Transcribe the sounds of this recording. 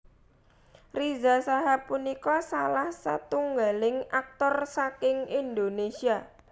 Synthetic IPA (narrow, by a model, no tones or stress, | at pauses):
rizasaɦapunikɔsalahsa̰t̪uŋɡalɪŋʔak̚t̪ɔrsakɪŋind̪onesia